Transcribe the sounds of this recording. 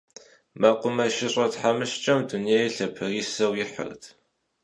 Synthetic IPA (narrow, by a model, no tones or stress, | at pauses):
maqʷʊmɐʃɪɕʼɐtħamɨʃt͡ʃʼɐmduneːjɬɐpʰɨriːsɐwjɪħə̰rtʰ